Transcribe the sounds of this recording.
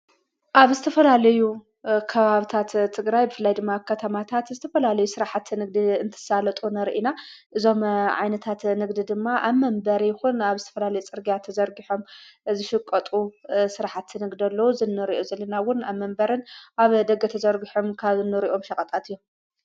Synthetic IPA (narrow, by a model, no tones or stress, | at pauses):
ʔaβzɨt̪ʰɐfɐlalɐju | kʰɐβaβit̪ʰat̪ʰːɨɡɾajbɨfɨlːajd̪ɨmːakʰɐt̪ʰɐmat̪ʰat̪zɨt̪ʰɐfɐlalɐjusɨɾaħat̪ʰnɨɡ̚d̪iɨnt̪ʰɨ̥salɐt̪ʼunɐɾʔinaʔɨzo̞mʕa̰jnɐt̪ʰat̪nɨɡd̪id̪ɨmːaʔaβmɐmbɐɾjɪxunaβzɨt̪ʰɐ̥fɐlalɐjut͡sʼɨɾɡijat̪ʰɐzɐɾɡiħo̞mzɨʃɪkʼːɐt̪ʼusɨɾaħat̪ːɨnɨɡd̪ɐlːɐwuzɨnːɨɾiʔozɐlːɐnawʊnaβmɐmbɐɾɨnʔaβd̪ɐɡɐt̪ʰɐzɐɾɡiħomkʰaβzɨnːɨɾiʔo̞mʃɐkʼɐt̪ʼat̪ɨjːom